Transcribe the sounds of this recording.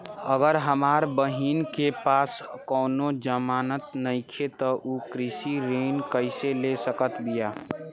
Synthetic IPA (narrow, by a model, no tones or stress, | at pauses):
əɡəɾɦəmaːɾbəɦinkepaːskɔːʊnod͡ʒəmaːnət̪nəɪkʰet̪ɔʔukɾisiɾenkəɪselesəkət̪bija